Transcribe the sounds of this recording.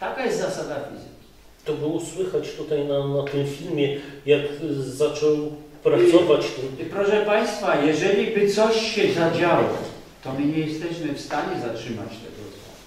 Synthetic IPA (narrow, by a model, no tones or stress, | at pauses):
t̪akajɛst̪zasad̪afʲizɨkʲi̥ | t̪ɔbɘuswɘxat͡ɕt̪ut̪ajnanat̪ɘmfʲilmʲjɛjakzat͡ʂɔwpɾat̪sɔvat͡ɕt̪mpɾɔʂɛpaj̃st̪fajɛʐɛlʲibɘt̪sɔɕːɛzad͡ʑawɔ̰ | t̪ɔmɘɲɛjɛst̪ɛɕmɘfst̪aɲɛzatʂɘma̰t͡ɕt̪ɛ̰ɡɔ̰t̪sɔ